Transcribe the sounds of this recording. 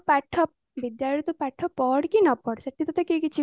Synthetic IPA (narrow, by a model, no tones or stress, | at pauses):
pɛʈʰːɔp | bid̪jaɾit̪upɛʈʰːɔpɔɽkinɔpɔɽsɐʈʰːit̪ɔt̪ʰɔkekit͡ɕʰi